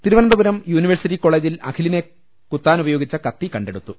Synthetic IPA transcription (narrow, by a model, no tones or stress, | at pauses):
t̪iɾuʋɐnɐnd̪ɐbuɾɐmjuːniʋɐrsiʈːikːo̞ːɭeːd͡ʑilɐ̰kʰiline̞ | kut̪ːaːnubɐjoːɡit͡ɕːɐkɐt̪ːikɐɳɖe̞ɽut̪ːu